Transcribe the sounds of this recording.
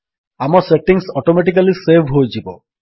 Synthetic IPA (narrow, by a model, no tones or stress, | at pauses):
amɔseʈiŋsɔʈomeʈ̬ik̬alisebʱɦojd͡ʒibɔ̰